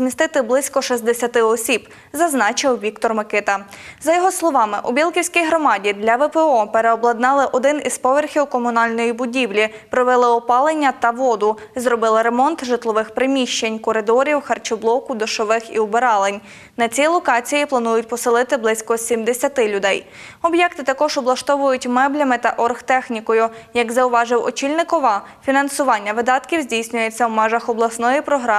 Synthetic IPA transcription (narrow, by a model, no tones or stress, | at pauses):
zmʲist̪ɪt̪ɪblˠɪsʲkɔʃizd̪esʲɐt̪ɪɔsʲib | zɐznɑt͡ʃɪwʋʲikt̪ɔrmɐkɪt̪ɐzɐjɔɦɔslˠɔʋɑmɪʔubʲilˠkʲiwsʲkʲijɦɾɔmɑdʲid̪lʲɐʋɛpɛɔpeɾeɔblˠɐd̪nɑlˠɪʔɔd̪ɪnḭzpɔʋerxʲiwkɔmʊnɑlʲnɔjibʊdʲiwlʲi | pɾɔʋɛlˠɪɔpɑlˠenʲːɐt̪ɐʋɔd̪ʊ | zɾɔbɪlˠɪɾemɔnt̪ʒɪt̪lˠɔʋɪxpɾɪmʲiʃt͡ʃenʲkɔɾɪd̪ɔɾʲiwxɐrt͡ʃɔblˠɔkʊd̪ɔʃɔʋɪxḭʊbeɾɑlˠenʲ | nɐt͡sʲilˠɔkɑt͡sʲijiplˠɐnujʊtʲpɔsɪlˠɪt̪ɪblˠɪsʲkɔsʲimd̪esʲɐt̪ɪlʲʊd̪ɛj | ɔbjɛkt̪ɪt̪ɐkɔʒɔblˠɐʃt̪ɔʋʊjʊtʲmɛblʲɐmɪt̪ɐʔɔrxt̪ɛxnʲikɔjʊjɐɡzɐʊʋɑʒɪwɔ̰t͡ʃilʲnɪkɔʋɑ | fʲinɐnsʊʋɑnʲːɐʋɪd̪ɑt̪kʲiwzʲdʲijsʲnʲʊjet͡sʲːɐwmɛʒɐxɔblˠɐsnɔjipɾɔɦɾɑ